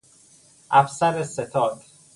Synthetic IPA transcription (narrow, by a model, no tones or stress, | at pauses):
ʔæfsæɾeset̪ʰɒːd̪̥